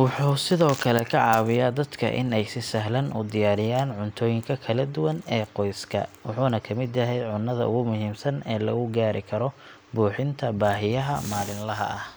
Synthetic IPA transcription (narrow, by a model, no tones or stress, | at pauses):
wʊħuːsɪðɔːkʰɐlɛkʰɐʕɑːβɪjaːd̪ɐd̪kʰɐ̰ʔɪ̰nɛjsɪsɐɦlɐnʔʊ̰d̪ɪjaːɾɪjaːnʕʊnt̪ʰɔːjɪŋkʰɐkʰɐlɐd̪ʊwɐnɛːqɔjskʰɐ̰wʊħuːnɐkʰɐmɪd̪jɐɦɛjʕʊnːɐðɐ̰ʊ̰ɣʊmʊɦiːmsɐnɛːlɐɣʊɡaːɾɪkʰɐɾɔ | buːħɪnt̪ʰɐbaːɦɪjɐɦɐmaːlɪnlɐɦɐ̰ʔɐh